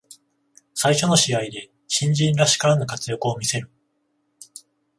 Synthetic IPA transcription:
saiɕo̞no̞ɕiaid̪e̞ | ɕĩɲ̟d͡ʑĩnɾaɕi̥kaanokat͡sɨjokɯ̟o̞mʲise̞ɾɯ̟

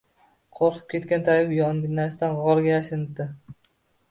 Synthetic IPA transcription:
qʰoɾqʰɨ̥p̚kʲe̞t̪kʲant̪ʰajɪpjɒnʲnast̪anʁɒɾɡʲajaʃɪnɪb̚d̪ɪ

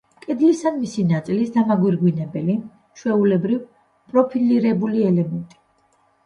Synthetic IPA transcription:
kʼɛd̪lisanmisinat̪sʼilisd̪amaɡwiɾɡwinɛbɛli | ʃwɛulɛbɾiv | pʼɾɔpʰiliɾɛbuliɛlɛmɛnt̪ʼi̥

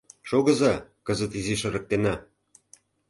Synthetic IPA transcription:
ʃoɣɤ̆zɑkɤ̆zə̆t̪iziʃə̆ɾɤ̆k̚t̪enɑ

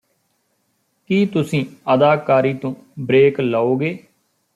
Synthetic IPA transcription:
kiːt̪ʊsĩːəd̪aːkaːɾiːt̪õː | bɾeːklaːoːɡeː

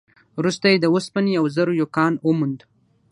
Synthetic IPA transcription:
wɾust̪ajed̪əwʊspənjawzəɾojokɑnəmund̪

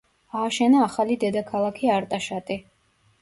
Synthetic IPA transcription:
aːʃɛnaːχalid̪ɛd̪akʰalˠakʰiaɾt̪ʼaʃat̪ʼi

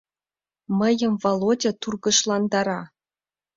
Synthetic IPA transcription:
məjə̆mvolˠodʲɤ̆t̪urɣɤ̆ʃlˠɑnd̪ɑɾɑ

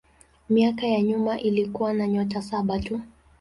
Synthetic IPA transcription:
miakajaɲumaʔilikuwanaɲɔtasaɓatu

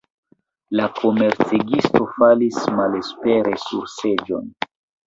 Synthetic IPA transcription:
lakʰo̞me̞ɾt͡seɡisto̞falismale̞spe̞ɾʔe̞suɾse̞d͡ʒo̞̰n

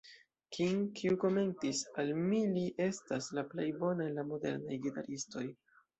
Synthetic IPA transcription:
kʰiŋkʰiuko̞me̞ntisalmiliʔe̞staslaplejbo̞naelamo̞de̞̰ɾnajɡita̰ɾisto̞j

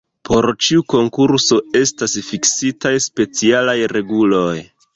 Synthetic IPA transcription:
pʰo̞ɾt͡ʃiuko̞ŋkuɾso̞e̞stasfiksitajspe̞t͡sialajɾe̞ɡulo̞j

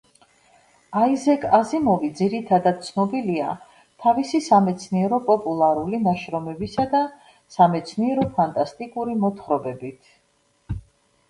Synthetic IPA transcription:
aizɛkʼazimɔvid̪ziɾit̪ʰad̪ad̪̥̚t̪sʰnɔbilia̰ | t̪ʰavisisamɛt̪sʰniɛɾɔpʼɔpʼulˠaɾulinaʃɾɔmɛbisad̪a | samɛt̪sʰniɛɾɔpʰant̪ʼast̪ʼikʼuɾimɔt̪ʰχɾɔbɛbit̪ʰ

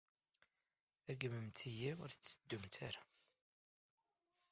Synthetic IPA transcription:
æɾɡəməmt̪ʰijiʊ̰ɾθət͡sːə̥d̪ːumt̪ʰæɾa

